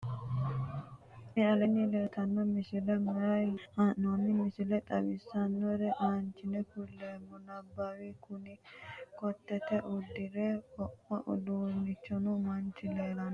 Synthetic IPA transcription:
nɪɐlɛnːɪleːt̪ɐnːɔmɪsɪlɛmɐɾɐjanːɔnːɪmɪsɪlɛt̪ʼɐwɪsːɐnːɔɾɛʔaːnt͡ʃɪnɛkʊlːeːmːɔnɐbːawikʊnɪkɔt̪ːɛt̪ɛʔʊd̪ːɪɾekɔʔɐ̰ʔʊ̰d̪uːnɪt͡ʃːɔnumɐnt͡ʃɪleːlɐnɔ

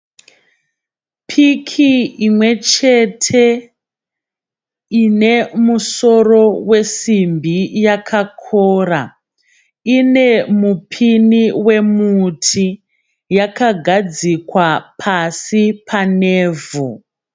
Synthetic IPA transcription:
pʰikʰiimwe̞t͡ʃe̞tʰe̞ | ine̞muso̞ro̞we̞simbʱijakʰakʰoːra | ine̞mupʰiniwe̞mutʰi | jakaɡʱad͡zikwapʰasipʰaneːvʱu

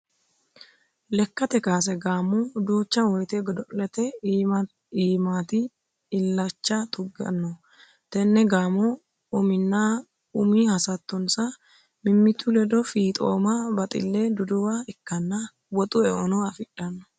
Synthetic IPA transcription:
lɛkːɐt̪ɛkaːs̬ɛɡaːmɔd̪uːt͡ʃːɐwɔjt̪ɛɡɔd̪ɔlɛt̪ɛ | iːmaːt̪ɪ | ɪlːɐt͡ʃːɐt̪ʰʊɡɐ̰nːɔ | t̪ɛnːɛɡaːmɔ | ʊmɪnːa | ʊmiːhɐsɐt̪ːɔnsɐ | mɪmːɪt̪ːʊlɛd̪ɔfiːt̪ʼo̰ːmabɐt̪ʼɪ̰lːeːd̪ʊd̪ʊwaɪkːɐnːɐ | wɔt̪ʼʊɛɔ̰nɔɐfɪᶑɐnːɔ

